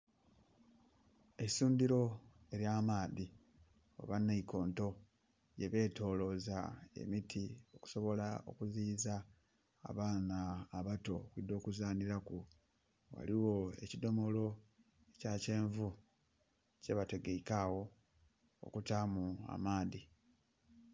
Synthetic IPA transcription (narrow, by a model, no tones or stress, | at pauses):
esuːndiɾo̞ | e̞ɾjaːmaːði | o̰βanːaikʰo̞ːnto̞ | je̞βe̞ːto̞ːlo̞zae̞̰mitʰio̞ku̥so̞βo̞lao̞̰kuziːza̰ː | βaːnaːβato̞kwid̪o̞ːkuzaːniɾaku | wa̰liwo̞e̞̰cido̞mo̞lo̞ | ecace̞ːɱvu | ce̞βate̞ɡeikawo̞ | o̰kutaːmua̰maːði